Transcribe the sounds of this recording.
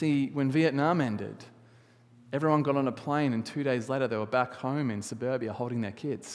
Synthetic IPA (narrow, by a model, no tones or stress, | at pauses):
siwɨ̃nviɨʔⁿnɑ̃mɛ̃ndɪ̰d | ɛvɹiwʌ̃nɡɑɾn̩əpʰl̥ẽɪ̃nɨ̃ntʰʉɾeɪzleɪɾə˞ðeɪwə˞bækhõʊ̃mɨ̃nsɨbɜ˞biɨhoʊlˠɾdɪ̃ŋðə˞kʰɪdz̥